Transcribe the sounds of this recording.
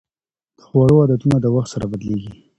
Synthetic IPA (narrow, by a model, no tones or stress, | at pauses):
d̪̥ə̥xwaɽoad̪at̪unad̪əwaxt̪saɾabad̪leɡi